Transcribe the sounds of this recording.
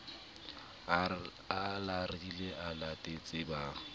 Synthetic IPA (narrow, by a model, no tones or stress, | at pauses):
alariileʔalatʼet͡sʼɪbaː